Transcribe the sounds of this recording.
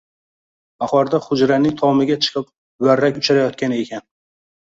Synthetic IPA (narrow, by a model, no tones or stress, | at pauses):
aχɒɾd̪aχʊd͡ʒɾanɪŋʲt̪ʰɒmɪɡʲat͡ʃʰɨ̥qʰɨp̚ | waɾːakʲʊt͡ʃʰaɾajɒt̪̚kʲanɪe̞kʲʰan